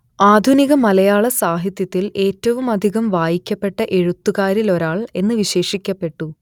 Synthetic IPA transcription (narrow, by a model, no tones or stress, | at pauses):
aːd̪ʱuniɣɐmɐlɐjaːɭɐsaːɦit̪jɐt̪ːile̞ːtːɐʋumɐd̪ʱiɣɐmʋaːjikʲːɐpːe̞ʈːɐʔe̞ɻut̪ːuɣaːɾilo̞ɾaːɭe̞nːɨʋiɕe̞ːʂikʲːɐpːe̞ʈːu